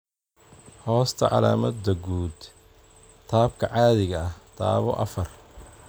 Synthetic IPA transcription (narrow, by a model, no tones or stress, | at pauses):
hɔːst̪ʰɐʕɑ̰laːmɐd̪ɐɡuːd̪ | t̪ʰaːbkʰɐʕɑːðɪɣɐɐht̪ʰa̰ːβɔʔɐ̰fɐr